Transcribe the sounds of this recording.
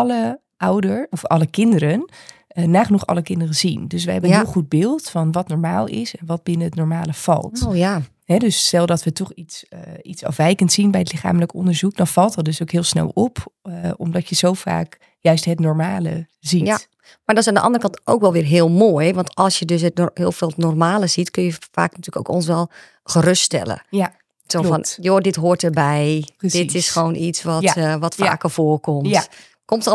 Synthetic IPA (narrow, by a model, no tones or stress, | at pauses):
ɑlə | ʔawdəɹɔfɑlˠəkɪndəɾən | ənaːχənuχɑ̰ləkɪndərəzindøs̬ʋəɦɛbənɦɪːlˠχud̚bɪːlˠtfɑnʋɑtnɔɹmaːlˠɪ̰sɛnʋɑt̚bɪnəətnɔɹmaːləv̥ɑ̰lˠtja | ɦɛdøstɛlˠdɔtʋətɔχitsitsɑ̰fʋɛjkəntsinbɛjətlɪχa̰ːmələkɔ̰ndəɹzukdɔnfɑlˠtədøsowkɦɪːlˠsnɛ̰lˠɔpɔmdɔtjəzowfa̰ːk | jœɥstɦətnɔɹmaːlə̰ | zija | madɔts̬aːndəʔɑ̰ndərəkɑnto̰wkʋɛlˠʋɪːrɦɪəlˠmoːjʋɔntɔlˠsjədøs̬əthɪːlˠfeːlˠnɔrmaːləzitknjəfa̰ːkntʰyːləko̰wkons̬ʋɛlˠ | xərøststɛ̰lˠə̰ | sofɔnjoːdɪtɦoːtərbɛjd̥ɪtʰɪsxʋoːwnʔitsʋɔtʋɔtfa̰ːkəfoːərkɔmt | komt